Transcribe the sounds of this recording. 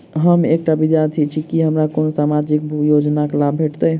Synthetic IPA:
ɦəmekʈabid̪jaɾt̪ʰit͡ʃʰikiɦəmɾakonosamad͡ʒik̚bʱjod͡ʒnakelabʱeʈt̪əj

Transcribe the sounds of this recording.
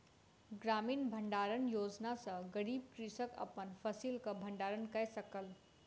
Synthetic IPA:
ɡɾamiːnbʱəɳɖaɾənjod͡ʒnasə̃ɡəɾib̚kɾisəkə̰pənpʰəsilkəbʱəɳɖaɾənkəjsəkəl

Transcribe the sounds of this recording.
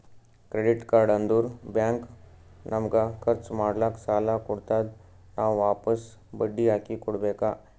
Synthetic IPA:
kɾeɖiʈkaːɾɖənd̪uːɾbãŋk | nʔəmɡakʰəɾt͡smaːɽlaksaːlakuɽt̪ad̪̚ | nawʋaːpəs | bəɖiakikuɽbeka

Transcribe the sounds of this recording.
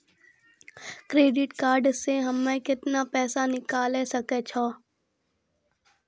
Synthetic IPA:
kɾeːɖɪʈkaːɾɖseɦɐmːẽkɪt̪napɛːsanɪkaːlesɐkeːt͡ʃʰɔː

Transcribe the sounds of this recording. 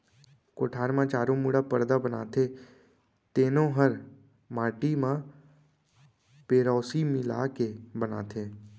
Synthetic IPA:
koːʈʰaːɾmãt͡ʃaːɾõmuɽapəɾd̪abəna̰ːt̪ʰe | t̪eːnõɦəɾ | maːʈimã | peːɾɔːsimɪla̰ːkebəna̰ːt̪ʰeː

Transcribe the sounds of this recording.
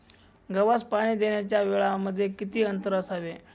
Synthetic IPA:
ɡəʋaspaɽ̃iːd̪eɳ̃jat͡ɕjaʋeɭaməd̪ʱːjekit̪iːənt̪əɾəsaʋe

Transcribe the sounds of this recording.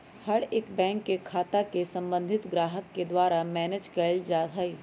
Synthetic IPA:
hɐɽeːkbɛ̃ːŋkːekʰaːt̪akesɐ̃mbə̃nd̪ʱɪt̪ɡɾaːɦəkːed̪waːɾamɛːned͡ʒkɐld͡ʒaːai

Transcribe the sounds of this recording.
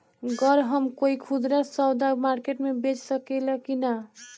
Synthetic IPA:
ɡəɾɦəmkoikʰud̪ɾasɔwd̪amaɾkeʈmebet͡ʃsəkɛləkina

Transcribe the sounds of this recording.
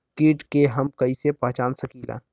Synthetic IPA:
kiːʈkeɦɐmkɐisepãt͡ʃaːnsəkiːla̰ː

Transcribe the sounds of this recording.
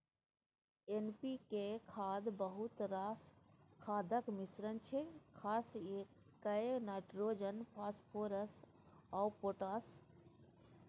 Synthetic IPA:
enpikekʰaːd̪bəɦʊt̪ɾaːskʰaːd̪əkmɪsɾənt͡ʃʰekʰaːse | kːɐenaːʈɾoːd͡ʒənpʰaːspʰoːɾəs | ɔːpoːʈaːs

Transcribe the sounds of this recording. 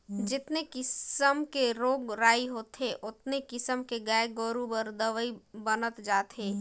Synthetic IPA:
d͡ʒɪt̪nekɪsəmkeɾoːɡɾaːiɦoːt̪eʔʊt̪nekɪsəmkeɡaeɡoɾubəɾd̪əʋəibənət̪d͡ʒaːt̪ɦeː

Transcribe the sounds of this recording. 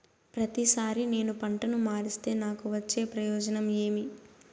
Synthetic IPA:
pɾɐt̪isaːɾine̞ːnupɐɳʈɐnumaːɾist̪e̞ːnaːkuʋɐt͡ʃːe̞ːpɾɐjɔːd͡ʒɐnɐme̞ːmi

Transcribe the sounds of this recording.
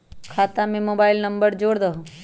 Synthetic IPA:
kʰaːt̪amẽmoːbaːɪlnɐmbəɾd͡ʒoːɽd̪ɐɦo

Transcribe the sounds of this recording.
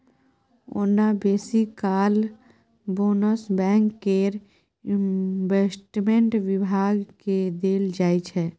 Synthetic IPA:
o̰nabeːsikaːl | boːnəsbɛ̃ːŋkːeɾ | ɪnʋeːsʈmẽɳʈʋɪbʱaːɡked̪eːld͡ʒaːit͡ʃʰɛː

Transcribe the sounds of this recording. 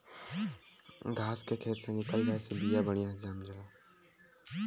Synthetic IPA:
ɡʱaːskeːkʰeːt̪seːnɪkəlɡaesebijaːbəɽ̃ɪjãːd͡ʒaːmd͡ʒəlaː

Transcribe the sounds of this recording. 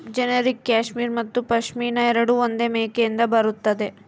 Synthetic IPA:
d͡ʒɛnɐɾikːaːʂmiːɾmɐt̪ːupɐʃmiːnɐɛɾɐɽuond̪e̞meːkejind̪ɐbɐɾut̪ːɐd̪e̞

